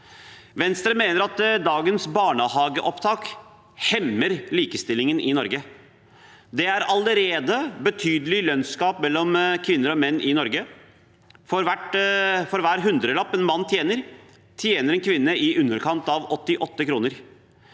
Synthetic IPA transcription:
ʋɛnst̪ɾəmeːnəɾɑt̪d̪ɑːɡənsbɑːɳəhɑːɡəʔɔpt̪ʰɑːk | hɛmːəɾliːkəst̪ɪlɪŋənʔɪnɔɾɡə | d̪ɛæɾɑləɾeːd̪əbət̪ʰyːd̪əlɪlœnskɑːpmɛlːɔmkʰʋɪnːəɾɔmɛnːʔɪnɔɾɡə | fɔɾʋæʈfɔɾʋæːɾɦʉnd̪ɾəlɑpːɛnmɑnːt̪ʰjeːnəɾ | t̪ʰjeːnəɾɛnkʰʋɪnːəʔɪʔʉnːəɾkʰɑnt̪ɑʋɔt̪ːɪʔɔt̪ːəkʰɾuːnəɾ

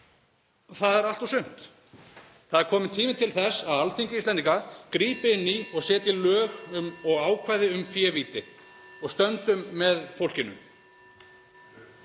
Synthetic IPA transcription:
θaðɛɾalt̪awsʏn̥t̪ | θaðɛɾkʰɔːmɪt̪ʰiːmɪt̪ʰɪlθɛsaðalfiɲcɪist̪ɛniŋkakɾiːpɪɪnːiɔɣsɛːt̪lɪlœːɣʏmɔɣaːwkʰvajðɪʏmfjɛːviːt̪ɪ | ɔɣst̪œnt̪ʏmːɛðfowl̥cɪnʏ̰m

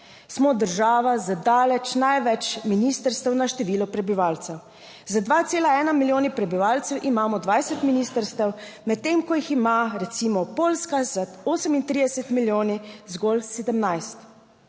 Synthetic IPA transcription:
smɔd̪əɾʒaːʋazad̪aːlɛt͡ʃnajʋɛt͡ʃminist̪əɾst̪əwnaʃt̪ɛʋiːlɔpɾɛbiʋaːlt̪sɛw | zad̪ʋat̪seːlaɛːnamiljoːnipɾɛbiʋaːlt̪sɛwʔimaːmɔd̪ʋajsɛt̪miniːst̪əɾst̪əwmɛt̪t̪ːemkɔjiximaɾɛt̪siːmɔpoːlskazaoːsəmint̪ɾid̪ɛsɛt̪miljoːnizɡɔlsed̪əmnajst̪

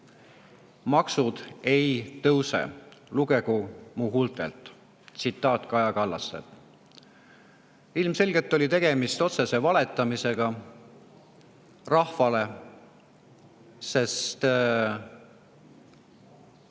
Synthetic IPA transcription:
mɑksud̪̥e̞jt̪ɤwsḛluɡ̥e̞ɡumuɦult̪ˑḛlt̪ˑ | t̪sit̪ːˑɑːt̪kɑjɑkɑlːɑsːḛt̪ | ilmse̞lɡe̞lt̪ːˑo̞lʲit̪e̞ɡ̥e̞mist̪o̞t̪se̞se̞vɑle̞t̪ːˑɑmise̞ɡ̥ɑ | rɑhfɑle̞ | se̞st̪

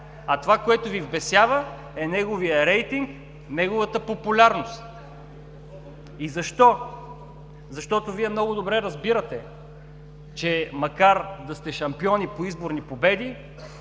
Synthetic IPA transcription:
ɐt̪ovakoɛt̪ʊvivbɛsjavə | ɛnɛɡovijəɾɛjt̪iŋk | nɛɡovət̪əpopʊlʲaɾnost̪ | izɐʃt̪ɔ | zɐʃt̪ɔt̪oviɛmnɔɡʊd̪obɾɛɾɐzbiɾət̪ɛ | t͡ʃɛmɐkaɾd̪ɐst̪ɛʃɐmpiɔnipoizboɾnipobɛd̪i

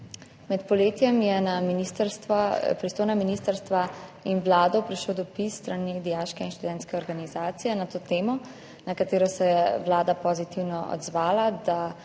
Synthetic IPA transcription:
mɛt̪pɔleːt̪jɛmjɛnaminist̪ɾst̪ʋapɾist̪oːjnaminiːst̪əɾst̪ʋainwlaːd̪ɔpɾiʃlowd̪ɔpisːt̪ɾanid̪ijaʃkɛinʃt̪ud̪ɛnt̪skɛɔɾɡanizaːt̪sijɛnat̪oːt̪eːmɔ | nakat̪eːɾɔsɛjɛwlaːd̪apɔzit̪iwnɔʔɔ̰d̪zʋaːlad̪a

